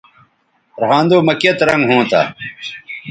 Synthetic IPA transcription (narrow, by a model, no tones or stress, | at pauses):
ɾhãːnd̪oːmɐkɐt̪ɾɐŋɡɦõːt̪a̰